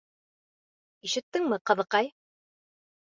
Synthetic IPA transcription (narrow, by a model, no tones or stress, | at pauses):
iʃɘ̆t̪ːɘŋmɘqɤ̆ðɤ̆qɑj